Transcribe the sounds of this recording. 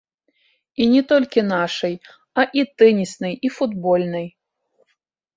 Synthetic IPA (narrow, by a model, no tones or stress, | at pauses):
inʲɛt̪ɔlʲkʲinaʂɐj | ɐʔit̪ɛnʲisnɨjifud̪bɔlʲnɨj